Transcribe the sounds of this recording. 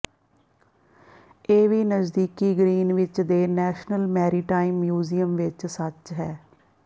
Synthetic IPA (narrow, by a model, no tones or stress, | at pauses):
eːʋiːnəzd̪iːkiːɡɾiːnʋɪt͡ʃd̪eːnɛːʃnəlmɛːɾiːʈaːimːjuːziːəmʋɪt͡ʃsət͡ʃɦɛː